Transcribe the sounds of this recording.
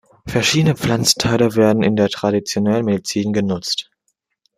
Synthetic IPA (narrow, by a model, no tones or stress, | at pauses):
fɛɐʃiːdənəp͡flant͡stʰaɪləveːɐdn̩ɪndeːɐtʁ̥adit͡sjonɛlənmedit͡siːnɡənʊt͡st